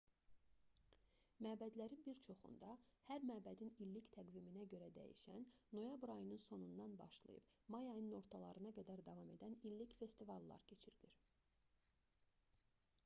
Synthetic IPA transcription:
mæːbæd̪læɾinbiɾt͡ʃʰo̞χṵnd̪ɑhæɾmæːbæd̪inilːict̪ʰæɡd̪iminæɟø̞ɾæd̪æ̰jḭʃænːo̞jɑbɾɑjɯnɯnso̞nund̪ɑnbɑʃlˠɯ̰jɯ̰b̥mɑjɑjnɯno̞ɾt̪ʰɑlˠɑɾɯnɑɡæd̪æɾd̪ɑvɑme̞̰d̪ænilːicfe̞st̪ivɑlˠːɑ̰ɾcʰe̞t͡ʃʰiɾiliɾ

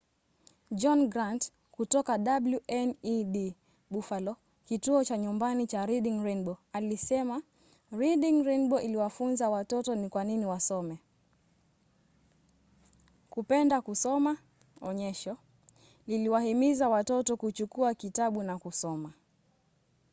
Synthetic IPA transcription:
d͡ʒɔnɡɾant | kutɔkaɗabluʔɛniɗi | ɓufalɔ | kituɔt͡ʃaɲumbanit͡ʃaɾiɗiŋɾɛnɓɔalisɛma | ɾiɗiŋɾɛnɓɔʔiliwafunzawatɔtɔnikwaniniwasɔmɛ | kupɛndakusɔma | ɔɲɛʃɔ | niliwahimizawatɔtɔkut͡ʃukuakitaɓunakusɔma

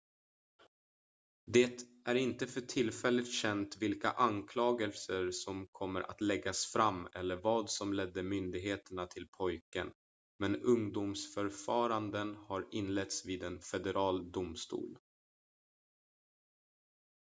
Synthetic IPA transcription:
d̪ɛːt̪ | æɾɪnt̪əfœʈʰɪlːfɛlːɪt̪ɕɛnt̪vɪlka̰ʔankʰlɑːɡəlsəʂɔmkʰɔmːəɾʔa̰t̪lɛɡːasfɾamːɛlːəɾvɑːd̪sɔmlɛd̪ːəmʏnd̪ɪɡɦeːt̪əɳat̪ʰɪlpʰɔjkə̰n | mɛnɵŋd̪umsfœɾfɑːɾand̪ənhaɾɪnlɛt̪sviːd̪ɛnfɛd̪ɛɾʔɑːld̪ʊmst̪ṵːl

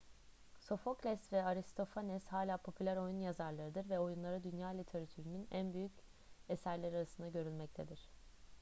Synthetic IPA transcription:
so̞fo̞klʲɛsvɛaɾist̪ʰo̞fanɛshaːlʲaːpʰo̞pʰylʲæɾo̞junjazaɾlˠaɾɯd̪ɯɾvɛo̞junlˠaɾɯd̪ynjaːlʲit̪ʰeɾat̪ʰyɾynynænbyjyc | esæɾlʲeɾiaɾasɯnd̪aɟø̞ɾylʲmɛc̚t̪ʰe̞d̪iɾ̥

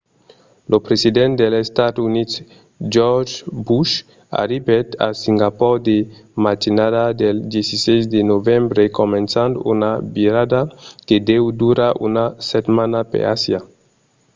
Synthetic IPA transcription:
lopɾesid̪ẽnt̪d̪elest̪ad̪unit̪ | d͡ʒɔɾd͡ʒbuʃ | a̰ɾibet̪a̰siŋɡapɔɾd̪emat̪inadad̪eld̪jesisez̬d̪enovembɾekomẽnsand̪unabiɾad̪aked̪ewd̪uɾaunaset̪manapḛa̰sja

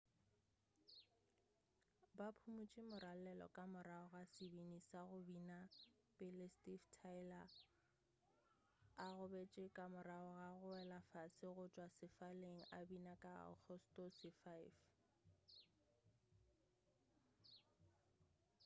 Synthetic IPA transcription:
bapʰumut͡ʃʼɪmʊɾal̩lɛlɔ̰kʼamʊraɔɣasɪbinisaɣʊbina | bʼɪlɪstʼiftʰaɪla | ɣʊbet͡ʃʼɪkʼamʊɾaɔɣaɣʊɛlafasɪɣʊt͡ʃʼwasɪfaleŋ̩ʔabinakʼa̰k͡xʰɔstʼɔsɪfajf

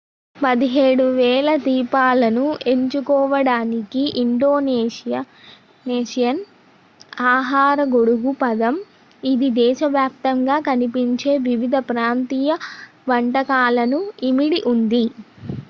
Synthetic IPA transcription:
pɐd̪iɦeːɽuʋɛːlɐd̪iːpaːlɐnue̞ɲt͡ʃukɔːʋɐɽaːnikiʔiɳɖoːneːijɐ | neːʂijɐn | aːɦaːɾɐɡoɽuɡupɐd̪ɐm | id̪id̪ɛːʃɐʋjaːp̚t̪ɐŋɡaːkɐnipiɲt͡ʃe̞ːʋiʋid̪ʱɐpɾaːnt̪iːjɐ | ʋɐɳʈɐkaːlɐnuimiɽiʔund̪i

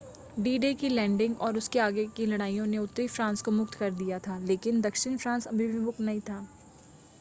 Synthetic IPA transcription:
ɖiːɖekilɛ̃ːɳɖɪ̃ŋɡɔːɾʊskeaːɡekilɐɽaːijõneʊt̪ːɾifɾãːnskomʊk̚t̪kɐɾd̪ijat̪ʰaːleːkɪnd̪ɐkʃɪñfɾãːnsɐbʱɪbʱibʱʊk̪nɐɦĩt̪ʰaː

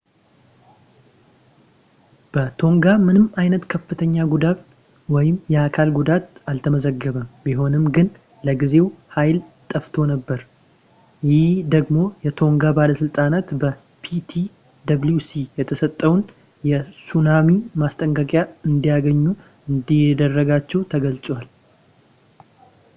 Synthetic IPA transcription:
b̥ət̪ʰo̞ŋɡamɨnɨmajnət̪kʰəfːɨt̪ʰəɲːaɡud̪at | wɔjɪmjɛakʰalɡud̪at̪alt̪ʰəməzəɡːəβəmbiɦo̞nɨmɡɨn | ləɡize̞whajlt̪ʼːəft̪ʰo̞nəbːəɾ | jɪhd̪əɡmo̞jɛt̪ʰo̞ŋɡabaləsɨlt̪ʼanat̪bə | pʰit̪ʰi | d̪aβljusijɛt̪ʰəsət̪ʼːəwn | jɛsunamimast̪ʼəŋkʼəkʼjaɨnd̪ijaɡəɲːu | ɨnd̪id̪ərːəɡat͡ʃːɛwt̪ʰəɡəlt͡sʼwal

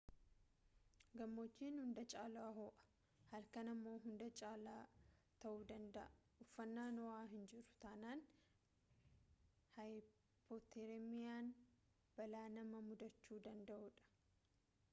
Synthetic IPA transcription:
ɡɐmːot͡ʃːiːnhʊnd̪ɐt͡ʃʼaːlaɦoːʔɐ̥ | hɐlkɐnɐmːo̞ːɦʊnd̪ɐt͡ʃʼaːlaːt̪ɐʔuːd̪ɐnd̪ɐʔɐ | ʊfːɐnːaːnɔwaːɦɪnd͡ʒɪɾʊ̥t̪anaːn | hɐj | pʰot̪ːeɾemɪjaːn | b̥ɐlaːnɐmɐmʊd̪ɐt͡ʃːuːd̪ɐnd̪ɐʔʊᶑɐ̥

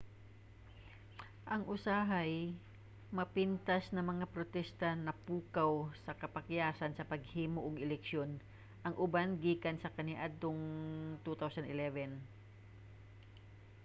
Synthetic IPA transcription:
ʔɐŋʔʊsaːɦaj | mɐpint̪ɐsnɐŋmɐŋapɾot̪ɛst̪ɐnɐpuːkawsɐkɐpɐkjaːsɐnsɐpɐɡ̚hiːmoʔːɡɪlɛkʃjon | ʔɐŋʔʊbanɡiːkɐnsɐkɐnɪʔad̪oŋt̪ut̪awsɐnɪlɛvɛn

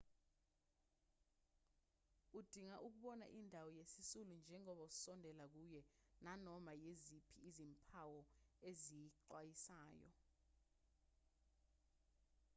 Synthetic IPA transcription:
ud̥ʱiŋaʔuk̬uɓɔna̰ʔindʱawɔjesisulund͡ʒʱɛŋɔɓausɔndʱɛlak̬ujɛnanɔmajezipʰiːzimpʰawɔezijiǃwajisaːjɔ̰

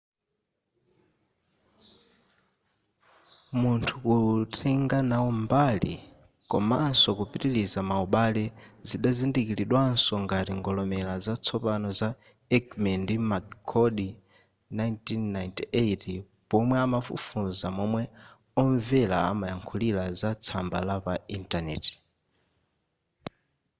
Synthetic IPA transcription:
muntʰukutʰɛŋɡanaɔmbalḭ | kɔ̰mansɔkupitilizamauɓalɛziɗazindikiliɗwansɔŋɡatiŋɡɔlɔmɛlazat͡sʰɔpanɔza | ɛkmɛndimakkʰːɔɗi | najntinːajntiʔeti | pɔmwɛamafṵfunzamɔmwɛ | ɔɱvɛla̰a̰majaŋkʰulilazat͡sʰambalapaintanɛ̰ti̥

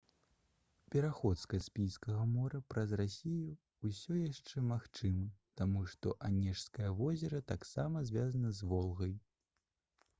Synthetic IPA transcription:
pʲɛɾaxɔt̪skasʲpʲijskɐɣɐmɔɾɐpɾɐzrasʲijuː | sʲɔjaʂt͡ʂɛmaxt͡ʂɨmɐt̪amuʂt̪ɔʔanʲɛʂskɐjɐvɔzʲɛɾɐt̪aksamɐzʲvʲazɐnɐzvɔlˠɣɐj

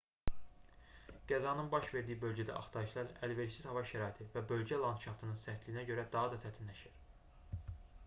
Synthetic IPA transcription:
ɡ̥æzɑnɯnbɑʃve̞ɾd̪ijibø̞lɟæd̪æ̰ʔɑχt̪ʰɑɾɯʃlˠɑɾælveɾsizhɑvɑʃæɾɑːit̪ʰivæbø̞lɟælˠɑnt̪ʃɑft̪ʰɯnɯnsæt̪lijinæɟø̞ɾæd̪ɑɦɑd̪ɑsʰæt̪ʰinlæʃiɾ̥

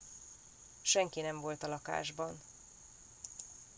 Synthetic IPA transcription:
ʃɛŋkinɛɱvo̞lt̪ɒlɒka̰ːʒbɒn

